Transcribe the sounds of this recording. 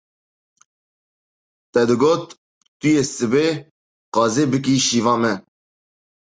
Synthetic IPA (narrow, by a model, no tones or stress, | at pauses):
t̪ɛd̪ɨɡoːt̪̚ː | ɨjeːsɨbeː | qɑːzeːbɨk̬iʃiːvɑːmɛ